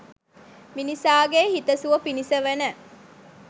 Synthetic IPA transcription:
minisaːɡehit̪əsuʋəpinisəʋenə

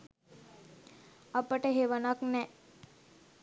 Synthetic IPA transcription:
apəʈəɦeʋənaknɛ

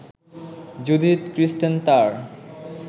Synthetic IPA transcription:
d͡ʑud̪it̪kɾisʈent̪aɾ

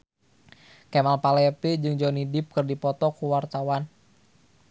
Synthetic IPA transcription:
kɛmalpalɛpid͡ʒɨŋd͡ʒɔnidɪp̚kɨrdipɔt̪ɔkuwart̪awan

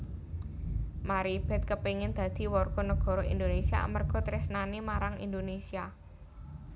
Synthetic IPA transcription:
maɾib̥ɛ̤t̪̚kəpeŋɪnd̪̥ä̤d̪̥i̤wɔrɡ̥ɔ̤nəɡ̥ɔ̤ɾɔʔḭnd̪onesia̰mərɡ̥ɔ̤t̪ɾɪsnanimaɾaŋḭnd̪onesia

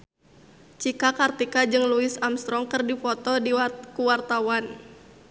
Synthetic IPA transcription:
t͡ʃikakart̪ikad͡ʒɨŋluɪsamst̪ɾɔŋkərdifɔt̪ɔdikuwart̪awan

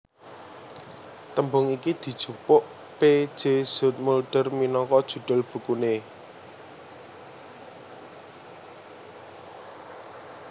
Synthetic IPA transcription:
t̪əmbʊŋikid̪̥i̤̥ʒ̥ṳpʊʔ | pe̥ʒ̥ez̥ʊ̤t̪̚mulɖ̥ərminɔŋkɔd̥ʒ̥ṳɖ̪̥ʊ̤lb̥ṳkune

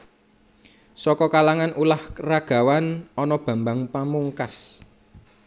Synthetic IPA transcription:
sɔkɔkalaŋanʔulahraɡ̥a̤wanɔnɔb̥ä̤mbaŋpamuŋkas

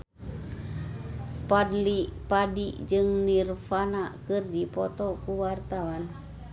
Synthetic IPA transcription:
padlipadiʔd͡ʒɨŋnirfanaʔkɨrdipɔt̪ɔkuwart̪awan

